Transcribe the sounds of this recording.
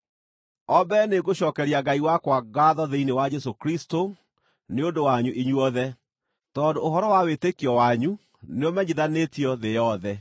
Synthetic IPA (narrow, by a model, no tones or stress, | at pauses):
ɔbɛneɡoɕɔːkɛɾiaɡaiwakwaɡaðɔðeinewad͡ʑɛsokɾisto | neondowaɲuʔiɲuɔðɛ | tɔndoːɦɔɾɔwawetekiɔwaɲu | neɔmɛɲiðanetiɔðejɔðɛ